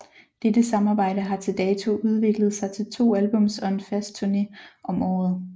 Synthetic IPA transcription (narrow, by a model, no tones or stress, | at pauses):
d̥ed̥əsɑ̈mɑ̈ːb̥ɑ̈ɪ̰ɾəɦɑ̈t͡sʰe̝ld̥ɛːt͡sʰo̝ʔuð̞ˠʋe̝ɡ̥ləð̩ˠsɑ̈ɪt͡sʰe̝lt͡sʰo̝̰ːælb̥ɔ̽m̰sɒ̽e̝nfæsd̥̚t͡sʰuɐne̝ʔɒ̽mɒ̰ːð̩ˠ